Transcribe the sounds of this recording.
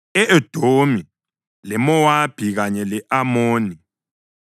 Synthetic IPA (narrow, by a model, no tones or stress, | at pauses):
ɛʔed̥ʱomi | lɛmɔwab̥ʱiɣaɲɛlɛʔamoːni